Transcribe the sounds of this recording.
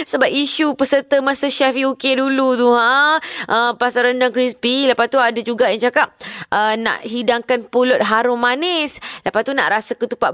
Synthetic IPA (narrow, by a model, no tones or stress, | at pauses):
səbap̚iʃupəsət̪əmasəʃɛfiukedulut̪uɦaʔəpasaɾandaŋkɾisbiləpat̪uadad͡ʒuɡaʔjaŋt͡ʃakap̚əna̰ʔɦidaŋkanpulʊt̪̚ɦaɾʊmãnɪsləpat̪una̰ʔɾasakət̪upaʔ